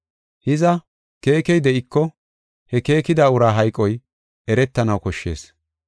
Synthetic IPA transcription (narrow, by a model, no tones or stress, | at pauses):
hɪzɐ | ke̞ːkɛjd̪ɛʔɪkːɔ | hɛke̞ːkɪd̪aːʊɾaːɦɐjkʼːɔj | ɛɾɛt̪ːɐnɐwkɔʃːe̞̰ːs